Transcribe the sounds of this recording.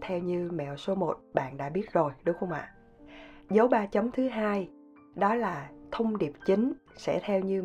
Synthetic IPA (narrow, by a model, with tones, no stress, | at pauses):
t̪ʰɛ˧wɲɨ˧mɛ̰˧˨wso˨˦mo˨˩t̚ɓa̰ː˧˨nɗa̰ː˧˥ɓi˦˥ət̚zo˨˩jɗʊ˨˦ŋ͡mxə˧wŋ͡mʔa̰ː˧˨ | zə˨˦wɓaː˧t͡ɕə˨˦ŋ͡mt̪ʰɨ˨˦ɦaː˧j | ɗɔ˨˦laː˨˩t̪ʰə˧wŋ͡mɗi˨˩əp̚t͡ɕï˨˦ŋ̟sɛ̰˧˥t̪ʰɛ˧wɲɨ˧